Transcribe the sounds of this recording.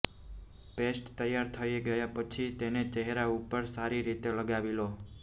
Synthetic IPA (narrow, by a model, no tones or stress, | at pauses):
pesʈt̪əjːaɾt̪ʰəiɡəjapət͡ʃʰit̪enet͡ʃəɦɾaupəɾsaɾiɾit̪eləɡaʋilo